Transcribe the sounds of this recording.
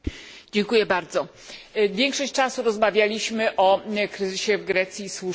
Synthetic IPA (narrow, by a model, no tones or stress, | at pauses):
d͡ʑeŋkujɛbaɾd̪zɔ | vʲjɛŋkʂɔɕt͡ɕʲt͡ʂasuɾɔzmavʲjalʲiɕmɘʔɔkɾɘzɘɕɛvɡɾɛt̪sʲjiswu